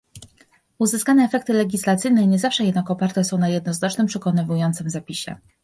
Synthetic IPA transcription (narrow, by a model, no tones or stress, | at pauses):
uzɘskaɲɛːfɛk̚t̪ɘlɛɡʲislat̪sɘjnɛɲɛzafʂɛjɛd̪nakɔpaɾt̪ɛsɔ̃w̃najɛd̪̚nɔznat͡ʂnɘmpʂɛkɔnɘvujɔnt̪sɘmzapʲiɕɛ̰